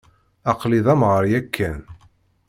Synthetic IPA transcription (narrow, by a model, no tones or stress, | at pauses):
ɑqliðˤæmʁəɾjækʰːæn